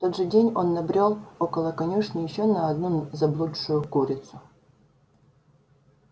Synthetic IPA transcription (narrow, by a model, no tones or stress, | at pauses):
t̪od̪ʐɨdʲenʲonːɐbɾʲolˠokəlˠəkɐnʲuʂnəjɪɕːonɐɐd̪nuzɐblˠut̪ʂʊjʊkuɾʲɪt̪sʊ